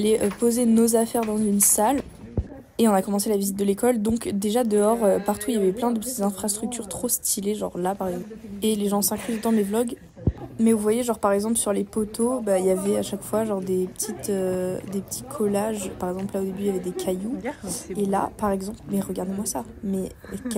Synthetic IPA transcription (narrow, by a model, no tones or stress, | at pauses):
lɛʔøpozenozafɛʁd̪ɑ̃zynsal | eɔ̃nakɔmɑ̃s̬elavizit̪̚d̪əlekɔld̪ɔ̃kd̪eʒad̪əɔʁøpaʁt̪ʰuiljavɛplɛ̃d̪əpət̪it̪zɛ̃fχast̪χyk̚t̪ʰyʁt̪χost̪ʰileʒɔ̰ʁlapaʁɛɡzɑ̃peleʒɑ̃sɛ̃kχyzod̪ɑ̃mevlɔɡ | mɛvuvwajeʒɔʁpaʁɛɡzɑ̃plsyʁlepot̪ʰobailjavɛaʃakfwaʒɔʁd̪epə̥t̪ʰit̪ød̪epə̥t̪ʰi̥kʰɔlaʒpaʁɛɡzɑ̃plaod̪ebyjavɛd̪ekʰajuela̰paʁɛɡzɑ̃plmɛʁəɡaʁd̪emwasa | mɛ